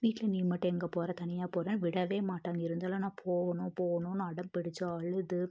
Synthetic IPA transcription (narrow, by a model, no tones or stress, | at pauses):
ʋiːʈːɪlɐniːmɐʈːɐ̃ɛŋɡɐpoːɾɐt̪ɐnɪjaːpoːɾẽːʋɪɽɐʋeːmaːʈːaːŋɡɐɪɾɯnd̪aːlɐ̃nãːpʰoːɣɐnʊ̃poːɣɐnʊ̃naɐɽɐmpɪɽɪt͡ʃːɐɐɭɐðɯ